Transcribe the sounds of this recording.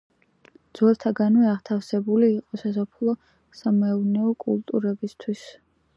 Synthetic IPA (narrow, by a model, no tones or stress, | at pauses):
d̪z̥wɛlˠt̪ʰaɡanwɛaʁt̪ʰafsɛbuliːqʼɔsas̬apʰulˠɔ | samɛnɛɔkʼṵlˠt̪ʼuɾɛbist̪ʰwis